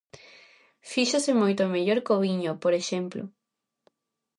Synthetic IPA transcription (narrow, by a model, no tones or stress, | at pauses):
fiʃasemojt̪omeʎoɾkoβiɲopoɾeʃemplo̰